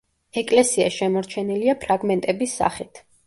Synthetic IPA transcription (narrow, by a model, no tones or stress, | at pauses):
ɛkʼlɛsia̰ʃɛmɔɾt͡ʃʰɛniliapʰɾaɡmɛnt̪ʼɛbisːa̰χit̪ʰ